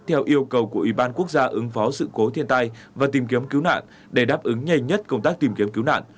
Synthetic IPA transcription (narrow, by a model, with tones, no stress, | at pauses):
t̪ʰɛ˧wʔi˧əwkə˨˩wku˧˩əʔwi˧˩ɓaː˧nku˦˥ək̚zaː˧ʔɨ˨˦ŋfɔ˨˦sɨ̰˧˨ko˨˦t̪ʰi˧ənt̪a˧j | vaː˨˩t̪i˨˩mki˨˦əmki˨˦wna̰ː˧˨n | ɗe˧˩ɗaː˦˥p̚ʔɨ˨˦ŋɲa˧˩jɲə˦˥t̚kə˧wŋ͡mt̪aː˦˥k̚t̪i˨˩mki˨˦əmki˨˦wna̰ː˧˨nʔ